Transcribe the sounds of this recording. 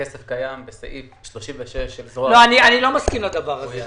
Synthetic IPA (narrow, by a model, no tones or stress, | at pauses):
kesefkajambesaʔifʃloʃimveʃeʃezoloanianilo̞maskimlad̪avaʁaze